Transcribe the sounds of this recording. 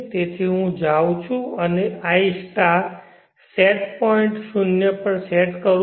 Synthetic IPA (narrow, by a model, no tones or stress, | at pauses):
t̪et̪ʰiɦũd͡ʒaw̃t͡ʃʰũəneaisʈa | seʈpɔiɳʈsunjəpəɳseʈkəɾ